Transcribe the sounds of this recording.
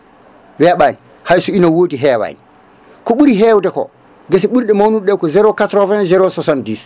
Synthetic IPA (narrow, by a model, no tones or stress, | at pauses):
wɛɓajn | hajsuinawoːdiɦɛwa̰j̰n | kɔɓuɾiɦɛwdɛkɔ̰ | ɡasiɓuɾɗɛmawnuɗɛkɔzɛɾokatɾɔvɛ̃nzɛɾosɔsandis